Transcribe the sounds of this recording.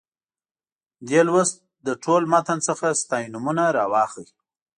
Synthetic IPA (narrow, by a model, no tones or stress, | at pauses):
d̪elwəst̪̚ | d̪əʈʰolmat̪ansəxast̪ɑjnʊmunaɾɑwɑxə